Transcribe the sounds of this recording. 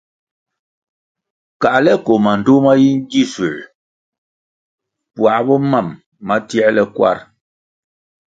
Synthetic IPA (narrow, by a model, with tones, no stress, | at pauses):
ka˨ʔlɛ˦ko˨ma˨n˨do˦ma˦ji˦n˦d͡ʒi˦˨su˨ | pwa˨˦bɔ˦ma˦˨mː | a˦ti˦ɛ˦lɛ˦kwa̰˦˨ɾ